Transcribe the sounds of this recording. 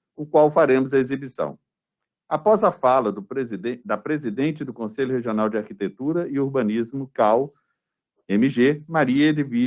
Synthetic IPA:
ʊkwawfaɾẽmʊzɐezibisɐ̰̃w̃ | apɔzɐfalɐd̪ʊzd̪ɐpɾezid̪ẽnt͡ʃɪd̪ʊkõsejʎʊheʒiõnawd͡ʒɪaɾkit̪et̪uɾɐɪoɾbɐ̃nizmʊkaw | ẽmiʒemaɾiɐd̪ɪvi

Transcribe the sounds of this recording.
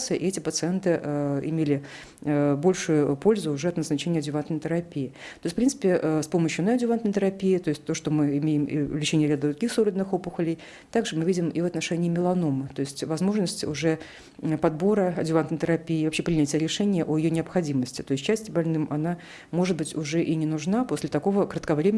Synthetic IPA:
sɨjəʔɪɛtʲɪpət̪sɨɛnt̪ɨɪ̰mʲelʲɪ | bo̞lʲʂʊjʊpo̞lʲzʊʊʐɛɐt̪nəznɐt͡ɕenʲjəɐdʲʊvant̪nəɪjt̪ɪɾɐpʲiɪt̪oɪsʲtfpɾʲint̪ɨ̥pʲɪʔspo̞məɕjʊnɐɐdʲʊvant̪nəjt̪əɾɐpʲijɪt̪o̞ɪsʲt̚ʲt̪oʂt̪omɨɪmʲejɪm̰lʲɪt͡ɕenʲɪjəɾʲad̪d̪ɾʊɡʲixsoɾəd̪ʲnɨxopʊxəlʲɪj | t̪aɡʐɨmɨvʲidʲɪmivɐt̪nɐʂɛnʲɪːmʲɪlˠɐnomɨt̪o̞ɪsʲtʲvɐzmo̞ʐnəsʲtʲʊʐɛ | pɐd̪̚bo̞ɾəɐdʲʊvant̪nəɪt̪əɾɐpʲiɪːvɐpɕːepɾʲɪnʲætʲɪjəɾʲɪʂɛnʲɪjəʔojɪjonʲɪɐpxɐdʲiməsʲtʲɪ̥t̪o̞ɪs̬ʲt̚ʲt͡ɕːæsʲtʲɪbɐlʲnɨmʔɐna | mo̞ʐɨd̪̚bɨtʲʊʐɛʔinʲɪnʊʐnapo̞sʲlʲɪt̪ɐko̞vəkɾət̪kɐvɾʲemʲ

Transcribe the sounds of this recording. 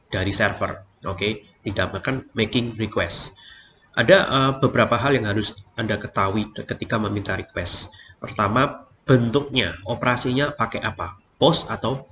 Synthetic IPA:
d̥aɾisɛrfə̰r | ʔoke | d̥idaʔ̚makanmekɪŋrikwɛs | ʔa̰daʔəbəbəɾapaɦaljaŋɦaɾʊsʔandakət̪awikət̪ikaməmint̪aɾikwɛ̰stpərt̪ama | b̥ənt̪ʊk̚ɲaʔopəɾasiɲapakɛʔapa | pɔsat̪aw

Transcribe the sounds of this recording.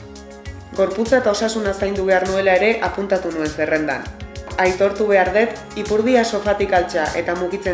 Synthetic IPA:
ɡo̞ɾput͡saet̪ao̞sasunasajnd̪uβe̞aɾnue̞lae̞ɾe̞ʔapunt̪at̪unue̞nsere̞nd̪a̰najt̪o̞ɾt̪uβ̞e̞aɾðe̞t̪ | ipuɾðiaso̞fat̪ikalt͡saʔe̞t̪amuɣit͡se

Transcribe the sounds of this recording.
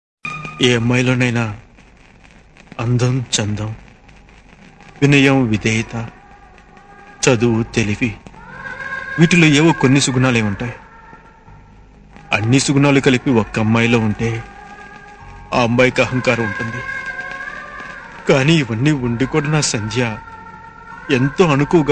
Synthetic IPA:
eːɐmːɐjloːnɐjna | ɐnd̪ʱɐmt͡ʃɐnd̪ɐm | ʋinɐjɐmʋid̪ɛːjt̪ɐ | t͡ʃɐd̪uut̪elipi | ʋiːʈiloːeːʋoːkonːisuɡnaːleːuɳʈaːji | ɐ̰nːisuɡnaːlukɐlipiɔkːɐmːɐjlo̞ːuɳʈe̞ː | aːmbɐjkɐɦɐŋkaːɾɐmuɳʈund̪i | kaːniːʋɐnːiːuɳɖikuːɽɐnaːsɐnd̪ʱjaː | ent̪o̞ːɐnukuːɐɡ

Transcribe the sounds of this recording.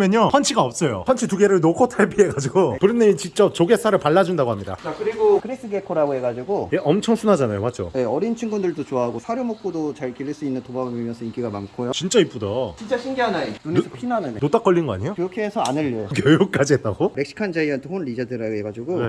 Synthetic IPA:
mjʌɲjopʰʌnt͡ɕʰiɡaʌp̚s͈ʌjo̰pʰʌnt͡ɕʰituɡeɾɯɭnokʰotʰaɭpʰie̞ɡad͡ʑiɡokɯɾɯnːet͡ɕint͡ɕ͈ʌp̚t͡ɕoɡe̞s͈ʰaɾɯɭpaɭːad͡ʑundaɡoɦamɲida̰t͡ɕakɯɾiɡokʰɯɾis͈ɯɡekʰoɾaɡoɦe̞ɡad͡ʑiɡojeʔʌmt͡ɕʰʌŋsʰunɦad͡ʑanajo̰mad͡ʑo̰je̞ʌɾint͡ɕʰiŋɡundɯɭdot͡ɕoaɦaɡosʰaɾjomok̚k͈udot͡ɕaɭkiɭːiɭs͈uinːɯntobabɯmimjʌnsʰʌink͈iɡamankʰojot͡ɕint͡ɕ͈aip͈udʌt͡ɕint͡ɕ͈aɕʰimɡiɦanainunsʰɯpʰinanɯnenot͈ak͈ʌʎːinɡʌa̰ɲijokjookʰeːsʰʌanɯʎːojokjojuk̚k͈ad͡ʑiɦet͈aɡoɾe̞k̚ɕ͈i̥kʰand͡ʑaiʌntʰɯonɾid͡ʑadɯɾaɡoɦe̞ɡad͡ʑiɡo

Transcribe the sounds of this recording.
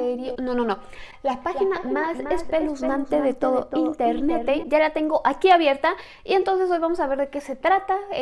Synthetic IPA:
eɾjnonono | lapaxinamasesppeluzmaneðet̪oðoint̪eɾnet̪eʝalat̪e̞ŋɡo̞ʔakiaβje̞ɾt̪a | ie̞nt̪o̞ns̬e̞s̬o̞jβamo̞saβe̞ɾðeke̞se̞t̪ɾat̪a

